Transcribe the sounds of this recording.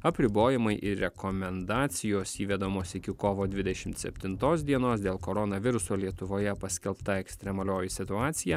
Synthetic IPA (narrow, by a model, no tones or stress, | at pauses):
ɐpʲɾʲɪboːjɛmɐɪʔɪɾʲɛkɔmʲɛnd̪ɑːt̪sʲɪjoːsiːʋʲɛd̪omoːsɪkʲɪkoːʋoːd̪ʲʋʲɪd̪ʲɛʃʲɪmt̪sʲɛ̰pʲt̪ʲɪnt̪oːs̬d̪ʲiɛnoːsd̪ʲeːlˠkoːɾɔnɐʋʲɪɾʊsoːlʲiɛt̪ʊʋoːjɛpɐsʲkʲɛlˠpt̪ɐɛksʲt̪ʲɾʲɛmɐlʲoːjɪsʲɪt̪ʊɑːt̪sʲɪjæ